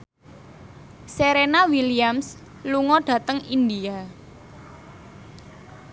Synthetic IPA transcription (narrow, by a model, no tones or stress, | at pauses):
seɾenawiliams | luŋɔɖ̥ä̤t̪əŋind̪ia